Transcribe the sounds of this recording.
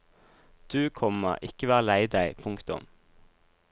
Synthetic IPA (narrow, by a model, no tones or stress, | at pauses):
d̪̥ʉːkʰɔmə̰ʁʔɪkəʋæːʁəlæɪd̪æɪpʰʊŋkt̪ʊ̰m